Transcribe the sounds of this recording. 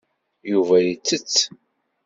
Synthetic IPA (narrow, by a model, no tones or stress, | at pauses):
juvæjit͡sːət͡sː